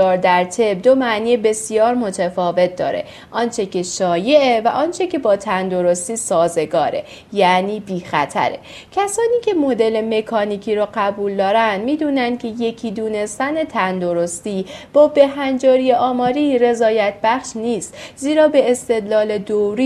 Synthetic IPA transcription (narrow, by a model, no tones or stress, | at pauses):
ɒːɾd̪æɾt̪ʰe̞b̚d̪o̞mæʔniːebe̞sijɒːɾmo̞t̪ʰæfɒːve̞t̪̚d̪ɒ̰ːɾe̞̰ | ʔɒːnt͡ʃʰe̞cʰe̞ʃɒːje̞ʔevæʔɒːnt͡ʃʰe̞cʰe̞bɒːt̪ʰænd̪o̞ɾost̪iːsɒːze̞ɡɒːɾe̞̰ | jæniːbiːxæ̰t̪ʰæ̰ɾḛ | cʰæsɒːniːcʲʰe̞mod̪e̞le̞me̞kʰɒːniːcʰiːɾoɢæbuːld̪ɒːɾænd̪miːd̪uːnænd̪̥̚kcʰe̞je̞cʰiːd̪uːne̞st̪æne̞t̪ʰænd̪o̞ɾost̪iːb̥ɒːbe̞ɦænd͡ʒɒːɾijeʔɒːmɒːɾiːre̞zɒːjæt̪̚ʰbæχʃniːst̪ziːɾɒːbe̞ːst̪e̞d̪lɒːled̪oɾi